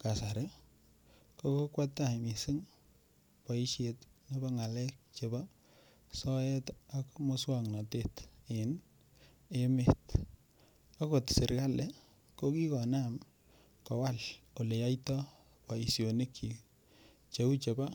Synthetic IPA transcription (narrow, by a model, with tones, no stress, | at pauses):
ka˨sa˨ɾe˦ | koko˦kwa˦tːa˦˨mi˨sɪ˦ŋ | pa˨i˦ʃje˨tne˦ba˦ŋa˨lɛ˦k̚t͡ʃe˨ba˦ | sɔ˦ɛ˦takmoswa˦ŋna˨teten | e˦met | a˦ko˨tsɪ˨ɾka˦le˦ | ko˦ki˦kɔ˨nam | kɔ˨wa˦lo˨le˨ja˦itɔ | pa˨i˨sjo˨ne˦kʰːi˨l | t͡ʃe˦u˦t͡ʃe˨ba˦